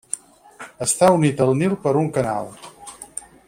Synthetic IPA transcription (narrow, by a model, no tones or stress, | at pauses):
əst̪aunit̪əlˠnilˠpəɾuŋkəna̰lˠ